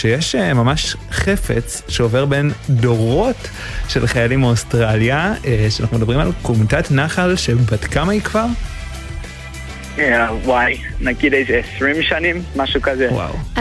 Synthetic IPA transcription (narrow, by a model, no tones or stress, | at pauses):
ʃejeʃemamaʃχe̞fe̞̰t͡s | ʃeove̞ʁbe̞ndo̞ʁo̞t | ʃe̞lχajalimostʁaljaeʃeanaχnumedɐbʁimalkomtatnaχalʃe̞batkamajikvaʁ | jawajnaɡid̪ejzeesʁimʃanĩmːaʃukazewa̰w